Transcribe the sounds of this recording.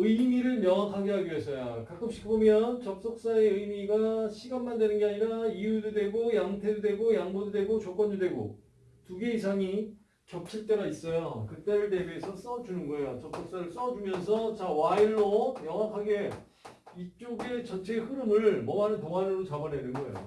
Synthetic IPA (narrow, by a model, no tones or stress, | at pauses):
ɯmiɾɯɭmjʌŋɦakʰaɡeɦaɡiɦes͈ʌjokak͈ʰɯp̚ɕ͈ʰikʰibomjʌnt͡ɕʌp̚s͈ok̚s͈ae̞ɯjmiɡaɕʰiɡanmandwe̞nɯnɡe̞aɲiɾaijududwe̞ɡojaŋtʰedodwe̞ɡojaŋmododwe̞ɡot͡ɕok͈wʌndodwe̞ɡo̰ | tuɡe̞isʰaŋi | t͡ɕʌp̚t͡ɕʰiɭt͈e̞ɡais͈ʌjokɯt͈eɾɯɭte̞beesʰʌs͈ʌd͡ʑunɯnɡʌejot͡ɕʌp̚s͈ok̚s͈aɾɯɭs͈ʌd͡ʑumjʌnsʰʌt͡ɕawaiɭːomjʌŋwakʰaɡe̞ | it͡ɕ͈oɡe̞t͡ɕʌnt͡ɕʰe̞hɯɾɯmɯɭmʌmanɯntoŋanɯɾot͡ɕabʌnedɯnɡʌḛjo̰